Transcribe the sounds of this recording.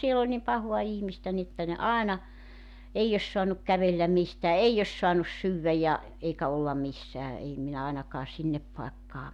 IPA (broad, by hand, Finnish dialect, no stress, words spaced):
siel olʲ nim pɑhoɑ ihmistæ ni ĕtːæ ne ɑenɑ eij os soɑnuk kæʋelːæm mistæː ei os soɑnus syːwʋæ jɑ eikæ olːɑ misːæː ei minæ ɑinɑkɑː sinːep pɑekːɑː